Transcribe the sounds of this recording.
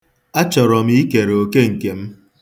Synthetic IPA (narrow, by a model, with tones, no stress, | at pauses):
a˦t͡ʃɔ˨ɾɔ˨mi˦i˦ke˨ɾo˨ke˦ŋ̩˨ke˨m̩˦